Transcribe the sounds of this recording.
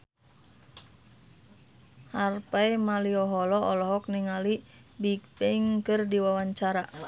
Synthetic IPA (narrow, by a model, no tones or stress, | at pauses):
harpaimaliɔɦɔlɔʔɔlɔɦɔk̚niŋalibikpɛŋkɨrdiwawaɲt͡ʃaɾa